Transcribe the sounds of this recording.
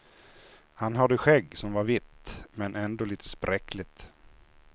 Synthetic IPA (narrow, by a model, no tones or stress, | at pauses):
hanɦad̪əɧɛɡːsɔmvaɾvɪt̪ːmɛnɛnd̪oːliːt̪ʰə̥spɾʔɛklɪt̪